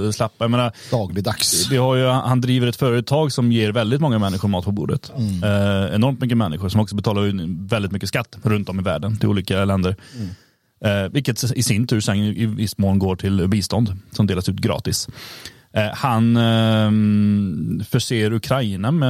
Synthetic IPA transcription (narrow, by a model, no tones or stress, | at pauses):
slɛpːajameːnaɾd̪ɑːɡlɪd̪aksvɪhaɾjhand̪ɾiːvəɾɛt̪fœːɾət̪ʰɑːɡsɔmjeːɾvɛld̪ɪt̪mɔŋːamɛnːɪɧʊɾmɑːt̪̚pʰɔbṵːɖə̰t̪ | ɛ̰nɔɾmt̪mʏkːəmɛnːɪɧʊʂɔmɔksɔbɛt̪ʰɑːlaɾvɛld̪ɪt̪mʏkːəskat̪ːɾɵnt̪ɔmɪvæ̰ːɖənt̪ʰɪlṵːliːkalɛnd̪əɾ | vɪlkːət̪ɪsɪnt̪ʰʉːʂɛnɪvɪsːmoːnɡoːʈʰɪlbiːst̪ɔnd̪sɔmd̪eːlasʉːt̪ɡɾɑ̰ːt̪ɪs | han | fœʂeːɾɵkʰɾainamɛ